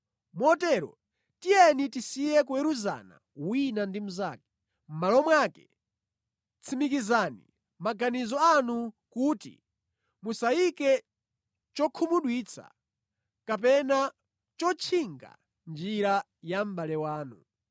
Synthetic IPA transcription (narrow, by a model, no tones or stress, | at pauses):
mɔtɛɾɔ̰ | tijɛnitisijɛkuɛɾuza̰na̰ | winandim̩zaːkɛ̥ | m̩malɔmwakɛ̥ | t͡sʰimikizaːnḭ | maɡanizɔanu | kuːtḭ | musaikɛ | t͡ʃɔkʰumuɗwiːt͡sʰa̰ | kapɛna | t͡ʃɔt͡ʃʰiŋɡa̰ | nd͡ʒiɾa | jam̩balɛwaːnu